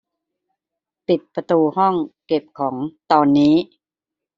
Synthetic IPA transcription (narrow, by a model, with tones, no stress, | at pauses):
pi˨˩t̪̚pɾa˧t̪uː˧hɔ˥˩ŋke˨˩p̚kʰɔː˩˦ŋt̪ɔː˧nːiː˦˥